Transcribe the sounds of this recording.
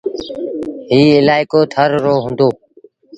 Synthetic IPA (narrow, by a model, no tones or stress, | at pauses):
ɦiːɪlaːɪkoːt̪ʰəɾɾoːɦʊ̃nd̪oː